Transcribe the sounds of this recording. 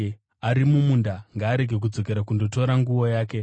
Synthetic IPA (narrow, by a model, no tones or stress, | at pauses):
aɾimumundaŋɡaːɾe̞ɡʱe̞k̬ud͡zo̞ke̞ɾakundo̞to̞ɾaŋɡuwo̞jaːke̞